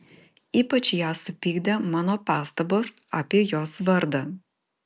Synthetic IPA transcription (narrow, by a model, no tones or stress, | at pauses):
iːpɐt͡ʃjaːsʊpʲiːɡd̪ɐmɑːnoːpɑːst̪ɐboːs | aːpʲiɛjoːsʋɐɾd̪ɐ